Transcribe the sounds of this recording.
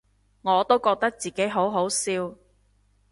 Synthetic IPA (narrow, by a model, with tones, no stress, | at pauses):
ŋɔː˨˧t̪o˥wkɔː˧k̚t̪ɐ˥k̚t͡siː˨ke˨˥jɦo˨˥wɦo˨˥wsiː˧w